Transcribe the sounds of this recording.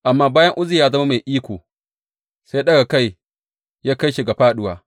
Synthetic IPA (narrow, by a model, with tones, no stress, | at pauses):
ʔa˨mːaː˦baː˦jɐ˦ŋʔʊ˦zi˨jaː˦zɐ˦ma˦ma˨jʔiː˦kʷoː˨ | sa˦ɗɐ˦ɡa˨ka˦˨j | jaː˦ka˦jʃi˨ɡa˨ɸaː˦˨ɗʊ˦waː˦